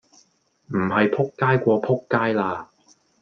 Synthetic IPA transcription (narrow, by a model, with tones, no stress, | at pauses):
m̩˨˩hɐ˨jpʰʊ˥kːaː˥jkʷɔː˧pʰʊ˥kːaː˥jlaː˧